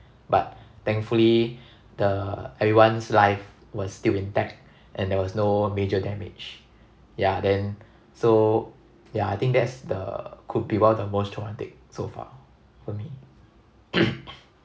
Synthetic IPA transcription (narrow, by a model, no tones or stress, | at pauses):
bat̚t̪ɛ̃ŋkfuli | dəɛvɹiwãnslaɪf | wɔsstilĩntɛk̚t̚ | ʔɛ̃ndɛwɔsnomed͡ʒədɛmɪ̰d͡ʒ | jadɛ̃n | so | jaajt̪ĩŋk̚dɛtsdə̰kʰud̚biwɛdəmostʰɹɔmãntɪk̚sofa̰ | fɔmi